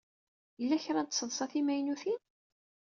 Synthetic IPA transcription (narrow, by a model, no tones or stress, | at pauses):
jəlːæçɾˤɑnt̪səðˤsˤɑθimæjnuθi